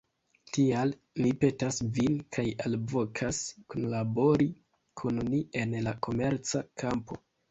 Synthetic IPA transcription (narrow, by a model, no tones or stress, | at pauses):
tial | mipe̞tasvinkʰajalvo̞kʰaskonlabo̞ɾi | kʰunmie̞nlako̞me̞ɾt͡sakʰampo̞